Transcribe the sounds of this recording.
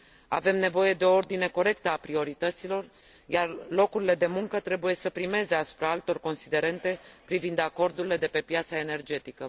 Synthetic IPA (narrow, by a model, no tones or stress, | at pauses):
a̰ve̞mne̞vo̞je̞d̪e̞o̞o̞rd̪ine̞ko̞ɾe̞kt̪əapɾio̞ɾit̪ət̪silo̞r | jarlo̞kuɾile̞d̪e̞muŋkət̪ɾe̞buje̞səpɾime̞ze̞asu̥pɾaalt̪o̞rko̞nsid̪e̞ɾe̞nt̪e̞pɾivind̪ako̞rd̪uɾile̞d̪e̞pe̞pjat̪sae̞ne̞rd͡ʒe̞t̪ikə